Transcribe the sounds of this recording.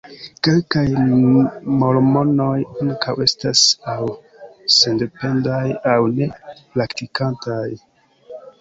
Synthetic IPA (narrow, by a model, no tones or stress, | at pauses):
ke̞lkaj | mo̞lmo̞no̞jaŋkawe̞stasaw | sende̞pe̞ndajawne̞plaktikantaj